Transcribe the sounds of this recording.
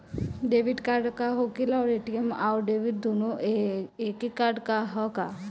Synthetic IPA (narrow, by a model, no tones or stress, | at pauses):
ɖeʋiɖkaɾɖkaɦokilaːɾeʈiemaɾɖeːʋiɖ̚d̪ono | ekikaɾɖkaɦɔka